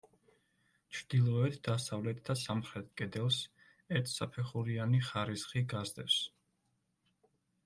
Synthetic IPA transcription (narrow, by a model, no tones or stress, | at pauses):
t͡ʃʰɾd̪̥ilˠɔɛt̪ʰd̪̥asavlɛt̪ʰd̪asamχɾɛt̪̚ʰkʼɛd̪ɛlˠs | ɛɾt̪ʰsapʰɛχuɾianiχaɾisχiɡazd̪ɛps